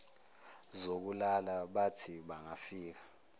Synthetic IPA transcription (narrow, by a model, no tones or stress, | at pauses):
zok̬ulalaɓatʰiɓaŋafiːk̬ḁ